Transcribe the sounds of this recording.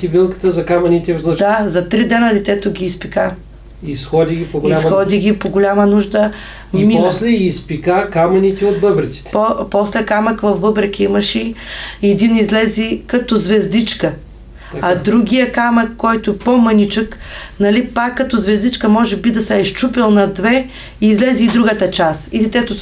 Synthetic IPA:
k̪ibilˠkə̥t̪əzɐkamɐnit̪ɛləd̪azɐt̪ɾid̪ɛnəd̪ɛt̪ɛt̪ʊɡʲiːspika | isxɔd̪ʲiɡʲipoɡoiaxɔd̪iɡʲipoɡolʲamɐnuʒd̪ə | minslɛɡiːspikakamɐnʲit̪ɛod̪̚bəbɾɐt̪si̥t̪ɛpɔpɔslɛkamɐkvɐvbɤbɾɐkʲiimɐʃɛɛd̪inizlɛzikɐt̪ɔzvɛzd̪it͡ʃkə | ɐd̪ɾuɡʲijəkamɐkːɔjt̪ʊɛpomɐnʲit͡ʃək | nɐlipakːɐt̪ɔzvɛzd̪it͡ʃkəmɔʒɛbid̪ɐsɛːʃt͡ʃupɛlˠnɐd̪vɛ | izlɛziːd̪ɾuɡət̪ɐt͡ʃasid̪ɛt̪ɛt̪o

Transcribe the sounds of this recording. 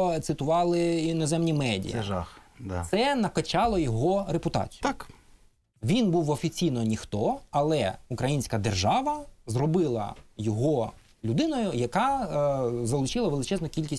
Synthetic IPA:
t̪sɪt̪ʊʋɑlˠɪinɔzɛmnʲimɛdʲḭjɛʒa̰xd̪sɛnɐkɐt͡ʃɑlˠɔjɔɦɔɾepʊt̪ɑ̰t͡sʲi̥k | ʋʲinbuwɔfʲit͡sʲijnɔnʲixt̪ɔɐlˠɛʊkɾɐjinʲsʲkɐd̪erʒɑʋɐzrɔbɪlˠɐ̰jɔɦɔ | lʲʊd̪ɪnɔjʊjɐkɑ | zɐlˠʊt͡ʃɪlˠɐʋelˠɪt͡ʃɛznɔkʲilʲkʲisʲ

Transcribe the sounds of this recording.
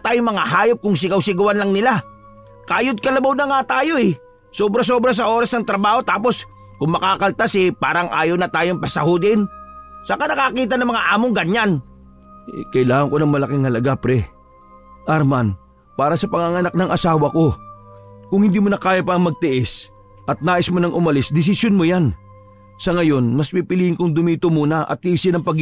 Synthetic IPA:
t̪aːjoŋmɐŋahaːjop̚kʊŋs̬ɪɡɐwsɪɡʊwanlɐŋnɪla | kaʔjʊd̪̚kɐlɐbawnɐŋat̪aːjo̞ɪ | soːbɾɐs̬obɾɐs̬ɐʔoːɾɐsnɐŋt̪ɾɐbaːho̞t̪aːpo̞s | kʊŋmɐkaːkɐlt̪asɪpaːɾɐŋʔa̰ːjownɐt̪aːjoŋpɐsɐhod̪ɪnsɐkanɐkakiːt̪̬ɐnɐŋmɐŋaʔaːmoŋɡɐɲan | kɐʔɪlaːŋɐŋko̞nɐŋmɐlɐkɪŋhɐlɐɡapɾɛ | ʔɐɾman | paːɾɐsɐpɐŋaŋɐnak̚nɐŋʔɐsaːwɐko̞ | kʊŋhɪnd̪iːmʊnɐkaːjapɐmɐɡ̚t̪ɪʔɛs | ʔɐt̪̚naːʔɪsmonɐŋʔʊmɐlɪsd̪ɪs̬ɪsjonmojan | sɐŋɐjo̞nmɐspipɪliːhɪŋkʊŋd̪ʊmiːt̪omuːnɐʔɐ̰t̪̚ːiːsɪnɐŋpɐɡ

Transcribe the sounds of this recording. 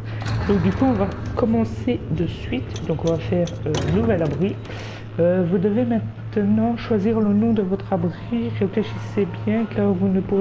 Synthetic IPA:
d̪̥ɔ̃k̚d̪ykuɔ̃vakɔmɑ̃sed̪əsɥit̪d̪ɔ̃kɔ̃vafɛːʁønuvɛlabʁi | øvud̪əvemɛ̃t̪nɑ̃ʃwaziʁlənɔ̃d̪əvɔt̪χabʁiʁefleʃisebjɛ̃kaʁvunəpuʁe

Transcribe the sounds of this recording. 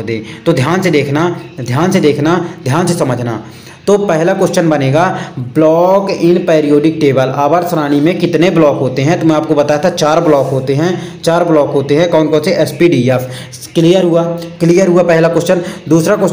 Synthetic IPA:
d̪ẽːt̪od̪ʱjaːnsed̪eːkʰnad̪ʱjaːnsed̪eːkʰnad̪ʱjaːnsesɐməd͡ʒʱna̰ | t̪opɛɦlakɔst͡ʃənbəneːɡablɔːkɪnpeːɾijoːɖɪk̚ʈeːbəlaːbaɾsɾaːñimẽkɪt̪neblɔːkɦoːt̪eɦɛ̃t̪omɛ̃aːp̚kobət̪aːjt̪ʰat͡ʃaːɾblɔːkɦoːt̪eɦɛ̃t͡ʃaːɾblɔːkɦoːt̪eɦɛ̃kɔ̃ːnkɔ̃ːnseʔɛspiɖiɛfʰ | kliːjəɾɦʊaklijəɾɦʊapɛɦlakʊst͡ʃənd̪uːsɾakə

